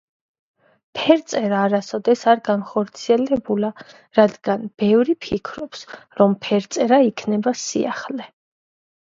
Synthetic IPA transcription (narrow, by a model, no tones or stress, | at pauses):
pʰɛɾt̪sʼɛɾaːɾasɔd̪ɛsaɾɡanχɔɾt̪sʰiɛlɛbula | ɾad̪ɡanb̥ɛvɾipʰikʰɾɔpsɾɔmpʰɛɾt̪sʼɛɾaikʰnɛbasḭa̰χlɛ